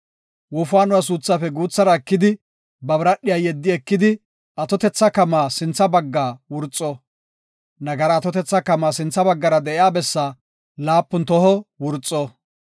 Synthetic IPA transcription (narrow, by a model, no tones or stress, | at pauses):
wʊfaːnʊwas̬uːt͡sːafɛɡuːt͡sːɐɾɐɛkːɪd̪ɪ | bɐbɾɐɗːɪjaːjɛd̪ːɪɛkːɪd̪ɪ | ɐt̪ɔt̪ɛt͡sːɐkɐmaːsɪnt͡sːɐbɐɡːaːwʊɾt͡sʼːɔ | nɐɡɐɾɐːt̪ɔt̪ɛt͡sːɐkɐmːaːsɪnt͡sːɐbɐɡːɐɾɐd̪ɛʔɪjaːbɛsːa | laːpːʊnt̪ɔhɔwʊɾt͡sʼːɔ